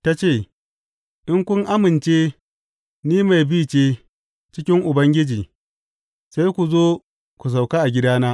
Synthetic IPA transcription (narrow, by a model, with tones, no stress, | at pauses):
ta˦t͡ʃeː˦˨ | ɗɪ˦ŋkʷʊ˦ŋʔa˦mɪ˨nt͡ʃeː˦ | niː˦ma˨jbiː˦˨t͡ʃeː˦ | t͡ʃɪ˦kʲɪ˦ŋʔʊ˨bɐ˦ŋɡʲɪ˦d͡ʒiː˨ | sa˦jkʷu˨zoː˦ | kʷu˨s̬a˨wka˦ʔa˨ɡʲɪ˦daː˦naː˦